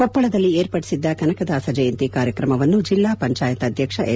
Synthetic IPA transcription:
kɔpːɐɭɐd̪ɐlːieːɾpɐɽisid̪ːɐkɐnɐkɐd̪aːsɐd͡ʒɐjɐnt̪ikaːɾjɐkɾɐmɐʋɐnːud͡ʒilːaːpɐɲt͡ʃaːjɐt̪ɐd̪ʱjɐkʂɐʔe

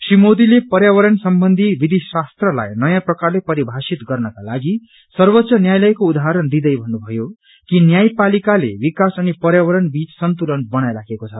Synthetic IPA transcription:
srimod̪ilepʌɾjawʌɾʌnsʌmbʌnd̪ʱibid̪ʱisast̪rʌla̰jnʌjãprʌkarlepʌɾibʱasit̪ɡʌrnʌkala̰ɡi | sʌrwʌt̪ːsʌnjajlʌjkoud̪aɦaɾʌnd̪id̪ʌjbʱʌnːubʱʌjo | kinjajpalikalḛbikasʌnipʌɾjawʌɾʌnbit͡ssʌnt̪ulʌnbʌñajlaɡekot͡sʰʌ

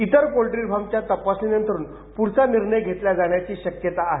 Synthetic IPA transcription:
it̪əɾpolʈɾiɾbʱamt͡ɕjat̪əpasnijənt̪əɾuːn | puɾsaniɾɳəjɡʱet̪ljad͡zaɽ̃jat͡ɕiːɕəkjət̪aːɦe

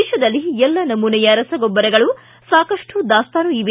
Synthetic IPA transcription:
ʃɐd̪ɐlːiɛlːɐnɐmunɛjɐɾɐsɐɡɔbːɐɾɐɡɐɭu | saːkɐʂʈud̪aːst̪anuiʋi

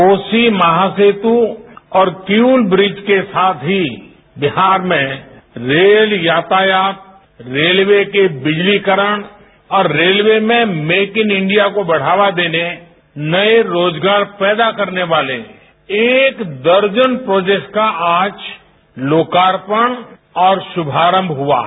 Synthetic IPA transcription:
oːsimɐɦaseːt̪uɔːɾkjuːlbɾɪd͡ʒkesaːt̪ʰɦi | bɪɦaːɾmẽɾeːljaːt̪ajaːt̪̚ | ɾeːlʋekebɪd͡ʒlikəɾəɽ̃ | ɔːɾːeːlʋemẽmeːkɪ̃nɪ̃ɳɖijakobɐɽ̤aːʋad̪eːne | nɐeɾoːd͡ʒɡaːɾpɛːd̪akɐɾneʋaːlḛ | eːkd̪əɾd͡ʒənpɾoːd͡ʒekʈkaʔaːt͡ʃ | loːkaːɾpəɽ̃ | ɔːɾʃʊbʱaːɾə̃mbʱɦʊa̰ː

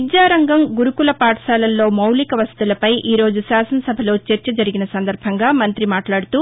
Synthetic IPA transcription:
id͡ʒaːɾɐŋɡɐmɡuɾukulɐpaːʈɐʃaːlɐlːo̞ːmɐwlikɐʋɐst̪ulɐpɐjʔiːɾo̞ːd͡ʒuʃaːsɐnɐsɐbʱɐlo̞ːt͡ʃeɾt͡ʃɐd͡ʒɐɾiɡinɐsɐnd̪ɐɾbʱɐŋɡaːmɐnt̪ɾimaːʈlaːɽut̪u

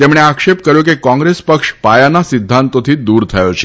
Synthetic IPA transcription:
t̪emɽ̃eakʂep̚kəɾjokekɔ̃ŋɡɾespəkʂpajanasid̪ʱːant̪ot̪ʰiːd̪uːɾt̪ʰəjot͡ɕʰe̥

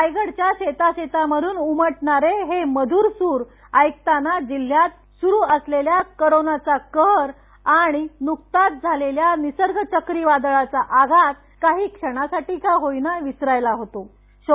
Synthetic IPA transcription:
ajɡəɽt͡ɕjaɕet̪aɕet̪aməd̪ʱuːnuməʈɳaɾeɦeməd̪ʱuːɾsuːɾ | əjk̚t̪anad͡ʑil̤ːjat̪̚ | suɾuːəsleljakoɾonat͡sakəɦɾ | aɽ̃inukt̪at̪̚d͡zʱaleljanisəɾɡʱət͡ɕəkɾiʋad̪ɭat͡saʔaɡʱat̪̚ | kaɦiːkʂəɽ̃asaʈiːkaɦojnaʋisɾajlaɦot̪o | ɕ

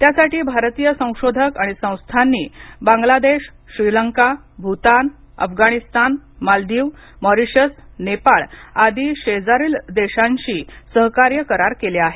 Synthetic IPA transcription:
t̪jasaʈiːbʱaɾt̪ijəsə̃w̃ɕod̪ʱəkaɽ̃isə̃w̃st̪ʰanːiːbãŋɡlad̪eɕ | ɕɾiləŋka | bʱut̪an | ə̰fɡaɽ̃ist̪anmald̪iːʋ | məɾiɕəsnepaɭad̪ʱiːɕed͡zaɾiːld̪eɕãɲɕiːsəɦkaɾjəkəɾaɾkeleaɦe

